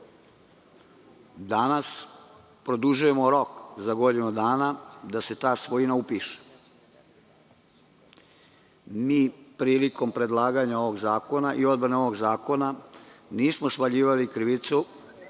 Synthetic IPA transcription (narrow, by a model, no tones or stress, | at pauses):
d̪anas | pɾo̞d̪uʒuje̞moɾo̞kzaɡo̞d̪inud̪aːnad̪ase̞t̪aːsʋo̞inaupiːʃe̥ | miːpɾiːliko̞mpɾe̞d̪lˠaːɡaɲao̞ʋo̞ɡzaːko̞naʔio̞d̪bɾaneo̞ʋoɡzaːko̞naniːsmospaʎiːʋalikɾiʋit̪su